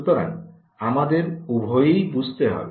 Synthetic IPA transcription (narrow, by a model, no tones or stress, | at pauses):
ut̪ɔɾa̰ŋ | amad̪eɾubʱɔjejbud͡ʒʱt̪eɦa̰be